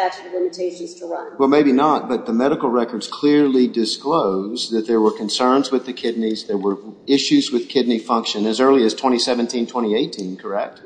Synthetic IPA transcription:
æɨəlɪ̃mɨtʰeɪʃɨ̃nz̥tʰəɹʌ̃nwɛlˠmeɪbinət̚b̥ʌt̪̚ðɨmɛɾɨkl̩ˠɹɛkə˞dz̥kʰl̥ɪɹlidɨskloʊzðɨt̪̚ðə˞wə˞kʰɨ̃n̩sɜ̃˞nzwɨðɨkʰɪdⁿnizðə˞wə˞ɪʃʉzwɨð̥kʰɪdⁿnifʌ̃ŋkʃɨ̃nɨzɜ˞lˠiɨz̥tʰw̥ɛ̃ɾ̃isɛvɨ̃ntʰĩntʰw̥ɛ̃ɾ̃ieɪtʰĩnkʰə˞ɛk̚t̚

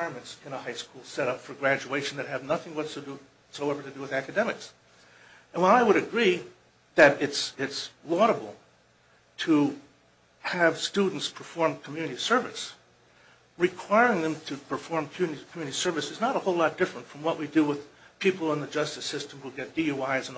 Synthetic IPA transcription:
kʰw̥aɪɹmɨ̃ntsɨ̃nəhaɪskulˠsɛɾʌpfə˞ɡɹæd͡ʒʉeɪʃn̩ðɨt̚ɦɨvnʌθɪ̃ŋwʌtsoʊdɨ | soʊɛvə˞ɾɨdɨwɨðækɨdɛmɨks | ɨ̃nwə̃naɪwəɾɨɡɹi | ðɨɾɪtsɪtslɔɾəbl̩ˠ | tʰə | ɨv̥studⁿn̩tspʰə̥˞fɔɹmkʰm̩jʉnɨɾisɜ˞vɨs | ɹɨkʰw̥aɪɹɪ̃ŋðɨ̃mtʰɨpʰə˞fɔɹmkʰmjʉnɨɾikʰmjʉnɨɾisɜ˞vɨsɨznəɾəhoʊlɔt̚d̥ɪfɹə̃ntfɹʌ̃mwʌʔwidɨwəð̥pʰipl̩ˠə̃nðɨd͡ʒʌstɨsɪstmhuɡɛt̚d̥ioaɪzə̃n

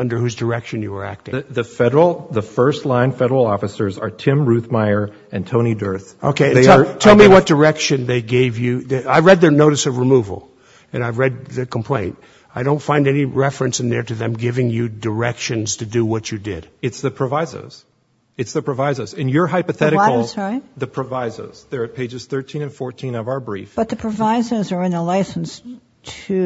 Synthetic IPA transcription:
ʌ̃ndə˞hʉzdə˞ɛkʃɨ̃njɨə˞æ̰k̚tɪ̃ðɨfɛɾə˞l̩ˠðəfɜ˞stˡlãɪ̃nfɛɾə˞l̩ˠɔfɨsə˞zə̰˞tʰɪ̃mɹʉθmaɪə˞ | ɨ̃ntʰõʊ̃ñidɜ˞θʔo̰ʊkʰeɪɨ̃ɛtʰɛlˠmiwʌt̚d̥ə˞ɛkʃɨ̃nðeɪɡeɪvjɨðɨaɪvɹɛd̪̚ðənoʊɾɨsʌvɹɨmuv̰l̩ˠ | ɨ̃naɪvɹɛd̪̚ðɨkʰm̩pʰl̥ẽɪ̃nt | aɪɾõʊ̃ntfãɪ̃ndɛniɹɛfɹɨ̃nsɨ̃nðə˞ɾɨðɨ̃mɡɪvɪ̃ŋjɨdə˞ɛkʃɨ̃nz̥tʰɨdɨwʌt͡ʃɨdɪ̰d̥ɨtsðɨpʰɹ̥ɨvaɪzə̰˞z̥ | ɨtsðɨpʰɹ̥ɨvaɪzə˞zɨ̃njə˞ɦaɪpɨθɛɾɨsaɪtðɨpʰɹ̥ɨvaɪzə̰˞z̥ðə˞ɨt̚pʰeɪd͡ʒɨz̥θɜ˞tʰĩnɨ̃nfɔɹtʰĩnʌvaə˞bɹḭfb̥ʌt̪̚ðɨpʰɹ̥ɨvaɪzə˞zə˞ɨ̃nəlaɪsn̩s | tʰɨ

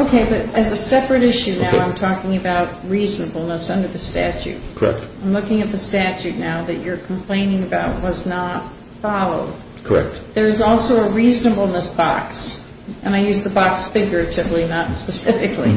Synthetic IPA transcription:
oʊkʰeɪbʌɾɨzɨsɛpɹɨɾɪʃʉnaʊãɪ̃mtʰɔkɪ̃ŋɨbaʊt̚ɹiznəbl̩ˠnəsʌ̃ndə˞ðɨstæ̰t͡ʃʉ̰t̚kʰə˞ɛ̰k̚tãɪ̃mlʊkɪ̃ŋɨt̪̚ðɨstæt͡ʃʉtⁿnaʊðɨt͡ʃə˞kʰm̩pʰl̥ẽɪ̃nɪ̃ŋɨbaʊt̚wʌznət̚ | fɑlˠoʊd̥̚ | kʰə˞ɛ̰k̚t̚ðə˞ɨzɔlˠsoʊəɹiznəbl̩ˠnəsb̥ɑ̰ks | ʔɨ̃ñaɪjʉzðəbɑksfɪɡjə˞ɨɾɪvlinətspɨsɪfɨkʰlḭ

